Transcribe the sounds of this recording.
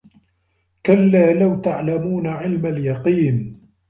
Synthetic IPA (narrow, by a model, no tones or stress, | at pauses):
kalːaːlawt̪aʕlamuːnaʕɪlmaljɑqiːn